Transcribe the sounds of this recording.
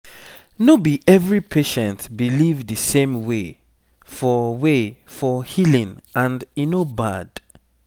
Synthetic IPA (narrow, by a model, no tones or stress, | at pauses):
nobiʔɛvɹipʰeʃɛ̃ntbilivdɨsẽmwe | fɔwefɔhilĩŋãndinobad̥